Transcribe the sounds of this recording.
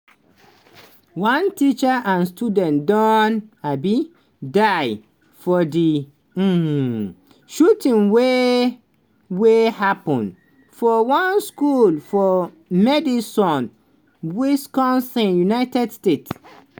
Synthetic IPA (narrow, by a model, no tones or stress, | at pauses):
wãntit͡ʃaʔãnstudɛ̃ndɔ̃nabi | daɪ | fɔdi | ʃutĩnwe | wehapɔ̃n | fɔwãnskulfɔ | mɛdisɔ̃n | wiskɔ̃nsɛ̃njunaɪtɛdstets